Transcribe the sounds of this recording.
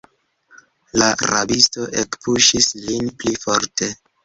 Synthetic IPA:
laɾa̰bisto̞ʔekpuʃislinplifoɾte̞

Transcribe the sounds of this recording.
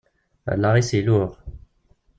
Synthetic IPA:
lːaʁisiluʁ

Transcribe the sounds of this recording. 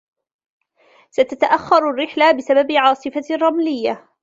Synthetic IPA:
sat̪at̪aʔaxːɑɾˤarːɪħlabɪsababʕɑːsˤɨfarˤːɑmlɪjːa

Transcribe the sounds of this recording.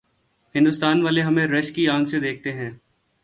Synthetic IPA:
hɪ̃nd̪ʊst̪aːnʋaːleɦɐmẽɾɐʃkiãːŋɡsed̪eːk̚ʰt̪eɦɛ̃ː

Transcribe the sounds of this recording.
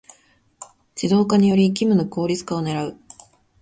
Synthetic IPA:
d͡ʑid̪o̞ːkaɲ̟ijo̞ɾʲikʲimɯ̟noko̞ːɾʲit͡sɨ̥kao̞ne̞ɾaɯ̟

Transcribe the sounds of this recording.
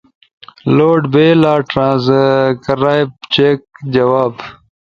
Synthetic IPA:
loːɖbeːlaːʈɾãːzkəɾaːbt͡ʃek̚d͡ʑɐwaːb

